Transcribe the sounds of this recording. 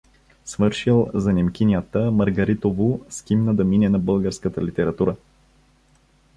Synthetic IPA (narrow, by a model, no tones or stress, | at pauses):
svɤɾʃilˠzɐnʲɛmkʲinʲijət̪əmɐɾɡɐɾit̪ovʊskʲimnəd̪ɐminɛnɐbɤlˠɡəɾskət̪əlit̪ɛɾɐt̪uɾə